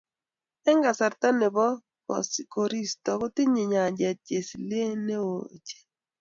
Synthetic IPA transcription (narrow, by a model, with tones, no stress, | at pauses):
ɛ˦ŋɡa˨sa˨ɾta˦nɪ˨bɔ˦ | kɔ̰˨sko˨ɾi˦stɔ˨kɔ˦tɪ˦ɲɪ˨ɲa˨d͡ʒɛ˨t̚d͡ʒe˨sle˦ne˦wo̰˨t͡ʃe̥˨